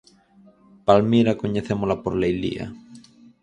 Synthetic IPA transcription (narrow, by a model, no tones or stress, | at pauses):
palmiɾakoɲeθemolapoɾlejlḭa̰